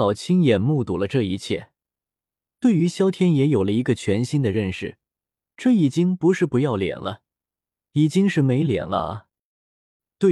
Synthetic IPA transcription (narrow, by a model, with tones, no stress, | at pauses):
ɑ˨˩ʊt͡ɕʰi˥ŋjɛ˨˩nmu˥˩t̪u˨˩lə˦ʈ͡ʂɤ˥˧i˧˥t͡ɕʰjɛ˥˩ | t̪we˥˩ɪy˧˥ɕjɑ˥ʊt̪ʰjɛ˥njɛ˧˥jo˨˩ʊlə˦i˧˥ɡə˧t͡ɕʰɥɛ˧˥nɕi˥nd̪ə˨ɻə˥˧nʂɻ̩˨˩ | ʈ͡ʂɤ˥˩i˨˩t͡ɕi˥ŋpu˧˥ʂɻ̩˥˩pu˧˥jɑ˥˩ʊljɛ̰˨˩nlə˦ | i˨˩t͡ɕi˥ŋʂɻ̩˥˩me˧˥ɪljɛ̰˨˩nlə̰˦ɐ̰˧˩ | t̪we˥˩